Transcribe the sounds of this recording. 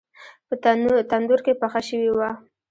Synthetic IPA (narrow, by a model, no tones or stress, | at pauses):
pət̪and̪ʊɾkepaxaʃəwiwa